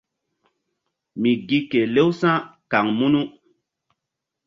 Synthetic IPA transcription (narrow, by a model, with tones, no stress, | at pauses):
mi˨ɡi˦ke˨le˦wsã˦ka˨ŋmu˦nu˦